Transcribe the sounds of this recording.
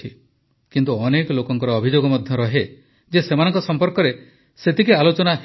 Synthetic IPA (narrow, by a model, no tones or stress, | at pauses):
i | kint̪uɔnekɔlokɔŋkɔɾɔːbʱid͡ʒoɡɔmɔd̪ʱjɔɾɔɦe | d͡ʒesemanɔŋkɔsɔmpɔɾkɔɾe | set̪ʰikealot͡ʃɔnaɦ